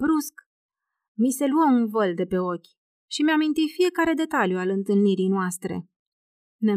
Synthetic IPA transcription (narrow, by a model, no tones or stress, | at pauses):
bɾusk | mise̞luəunvəld̪e̞pe̞o̞kʲ | ʃimeamint̪ijfije̞kaɾe̞d̪e̞t̪aljualɨnt̪ɨlniɾijnoast̪ɾe̞̰ | ne